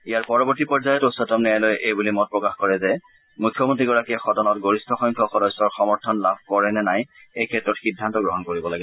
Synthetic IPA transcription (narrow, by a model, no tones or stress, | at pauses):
ijaɹpɔɹɔbɔɹtipɔɹzajɔtosɔtɔmnɛjalojʔejbulimɔt̚pɹɔkaxkɔɹɛzɛ | mujkʰːjɔmɔntɹiɡɔɹakiɛxɔdɔnɔtɡoɹistʰɔxɔjŋkʰɔxɔdɔjsɔɹxɔmɔɹtʰɔnlabʱkɔɹɛnɛnaj | ejkʰɛtːɹɔtxidʱːantɔɡɹɔɦɔnkoɹibɔlaɡɛ